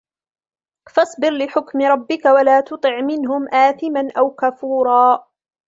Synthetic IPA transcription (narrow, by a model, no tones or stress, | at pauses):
fɑsˤbɪɾlɪħʊkmɪɾˤɑbːɪkawalaːt̪ʊt̪ˤɨʕmɪnɦʊmʔaːθɪmanʔawkafuːɾˤɑː